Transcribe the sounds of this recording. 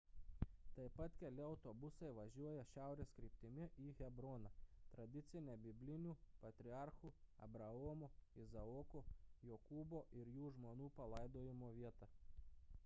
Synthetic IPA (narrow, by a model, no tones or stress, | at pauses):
t̪ɐɪpɐt̪kʲɛlʲɪɐʊt̪obʊsɐɪʋɐʒʲuɔjɛʃʲæˑʊɾʲeːskɾʲiːp̚ʲt̪ʲɪmʲɪʔiːɣʲɛbɾoːnɐt̪ɾɐd̪ʲɪt̪sʲɪnʲɛbʲɪbʲlʲɪnʲuːpɐt̪ʲɾʲɪɑˑɾxuːɐ̰bɾɐɔːmoːɪzɐɔkojoːkuːboːʔɪɾjuːʒmoːnuːpɐlˠɐɪd̪oːjɪmoːʋʲiɛt̪ɐ